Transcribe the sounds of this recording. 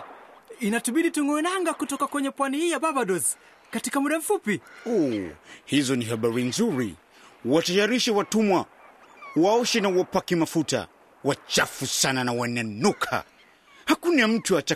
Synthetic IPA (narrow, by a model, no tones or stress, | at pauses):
inatuɓiɗituŋɡɔɛnaŋɡakutɔkakwɛɲɛpwanihijaɓabaɗɔz | katikamuɗam̩fupiɔhizɔniɦaɓaɾinzuɾḭ | watajaɾiʃɛwatumwa | waɔʃɛnawapakimafuta̰ | wat͡ʃafusananawananukʰa̰ | hakunam̩tuat͡ʃa